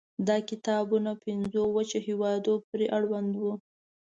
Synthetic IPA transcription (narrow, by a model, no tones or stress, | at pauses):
d̪ɑkɪt̪ɑbunapɪnzowat͡ʃehewɑd̪opɾeʔaɽwand̪wu